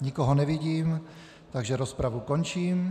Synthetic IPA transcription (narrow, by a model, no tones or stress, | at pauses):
ɲikoɦonɛviɟiːm | t̪aɡʒɛɾospɾavukont͡ʃiːm